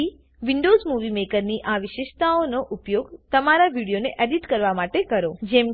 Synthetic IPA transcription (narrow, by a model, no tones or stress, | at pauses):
i | ʋiɳɖozmuʋimekəɾniʔaʋɪʃeʃt̪aonoʔupjoɡt̪əmaɾaʋiɽijoneʔeɖiʈkəɾʋamaʈekəɾod͡ʒɛm